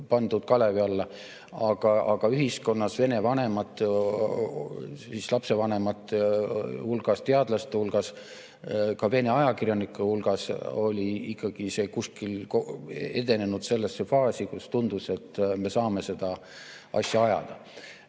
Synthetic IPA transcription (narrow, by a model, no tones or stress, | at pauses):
pɑnd̪̥ud̪̥̚kɑle̞viɑlːe | ɑɡ̥ɑɑɡ̥ɑyɦisko̞nːɑsve̞ne̞vɑne̞mɑt̪ːˑ | sislɑpse̞vɑne̞mɑt̪ːˑ | hulɡ̥ɑst̪e̞ɑd̪̥lɑst̪ehulɡ̥ɑs | kɑve̞ne̞ɑjɑkirjɑnikːˑuhulɡ̥ɑso̞lʲiikːˑɑɡ̥ise̞ːkuskilkoed̪e̞ne̞nud̪̥se̞lːesːefɑːsʲikust̪und̪̥use̞t̪ːˑme̞sɑːme̞se̞d̪̥ɑ | ʔɑ̰sjɑɑjɑ̰d̪̥ɑ